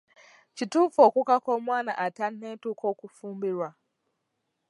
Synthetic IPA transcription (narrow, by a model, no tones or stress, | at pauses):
t͡ʃitʊfɔkʷʊkakɔmʷana̰ʔatan̩netʊkɔkufum̩biɾwa